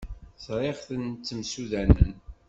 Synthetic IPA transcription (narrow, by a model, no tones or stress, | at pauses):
sɾˤeʁθənt͡sːəmsuðænə̰n